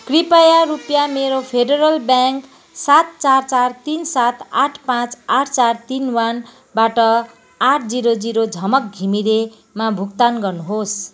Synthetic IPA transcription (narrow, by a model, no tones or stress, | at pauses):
kripajaɾupjameɾopʰeɖeɾʌlbjaŋk | sat̪̚t͡sart͡sart̪insat̪aʈʰpãt͡saʈʰt͡sart̪inwan | baʈʌ | aʈʰd͡ziɾod͡ziɾod͡zʱʌmʌk̚ɡʱimiɾe | mabʱukt̪anɡʌrnuɦos